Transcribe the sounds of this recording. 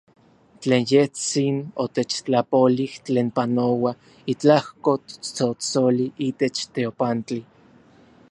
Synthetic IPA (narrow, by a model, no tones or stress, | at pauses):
t͡ɬeːnjeht͡sinot̪et͡ʃt͡ɬapoliht͡ɬeːnpanowa | it͡ɬahkot̪t͡sot͡soliʔit̪et͡ʃt̪eopant͡ɬi